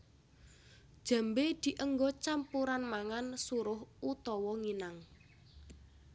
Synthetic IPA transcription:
d̥ʒ̥a̤mbed̪̥i̤ʔəŋɡɔt͡ʃampuɾanmaŋansuɾʊhut̪ɔwɔŋinaŋ

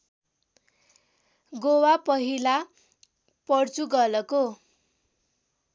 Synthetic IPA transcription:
ɡowapʌɦila | pʌrt͡suɡʌlʌko

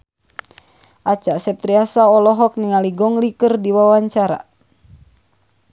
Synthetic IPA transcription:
ʔat͡ʃasɛp̚t̪ɾiasaɔlɔɦɔk̚niŋaliɡɔŋlikɨrdiwawaɲt͡ʃaɾa̰

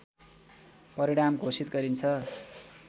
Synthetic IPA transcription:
pʌɾiɽ̃amɡʱosit̪̚ɡʌɾint͡sʰʌ

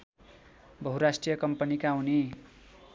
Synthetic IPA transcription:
bʌɦuɾasʈrijʌkʌmpʌnikauni

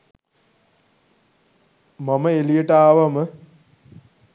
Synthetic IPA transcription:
maməelijəʈəaːʋamə

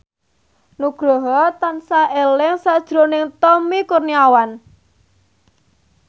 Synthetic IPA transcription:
nuɡ̥ɾɔɦɔt̪ansaelɪŋsad̥ʒ̥ɾonɪŋt̪ɔmikurniawan

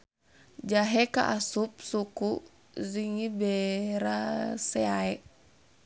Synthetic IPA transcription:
d͡ʒaɦɛka̰ʔasup̚suku | ziŋibɛɾasɛaɛ

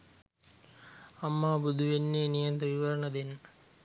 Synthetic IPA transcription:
ɐmːaːbud̪ʱuʋenːeːnijɐnd̪ɐʋiʋɐɾənəd̪enː

